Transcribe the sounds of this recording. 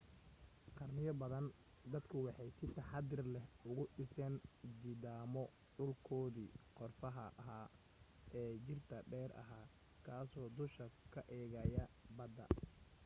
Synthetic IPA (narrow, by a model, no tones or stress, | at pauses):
qɑrnɪjɔbɐðɐn | d̪ɐd̪kʰʊwɑħɑjsɪt̪ʰɐħɑd̪ɪrlɛhʊɣʊɖɪsɛnd̪iːðaːmɔ | ɖʊlkʰɔːðiːqɔrfɐɦɐʔɦaː | ʔɛːt͡ʃɪrt̪ʰɐɖɛːrʔɐ̰ɦaː | kʰaːsɔːd̪ʊʃɐkʰɐʔɛːɣɐjɐbɐd̪ɐ̰